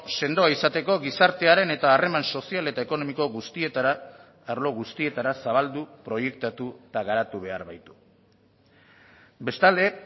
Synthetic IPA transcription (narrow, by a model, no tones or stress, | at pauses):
se̞nd̪o̞aisat̪e̞ko̞ɣisaɾt̪e̞aɾe̞ne̞t̪aːre̞manso̞siale̞t̪ae̞ko̞no̞miko̞ɣust̪ie̞t̪aɾaː | ɾlo̞ɣust̪ie̞t̪aɾasaβ̞ald̪upɾo̞je̞kt̪at̪uet̪aɣaɾat̪uβe̞a̰ɾβajt̪u̥ | be̞st̪ald̪e̞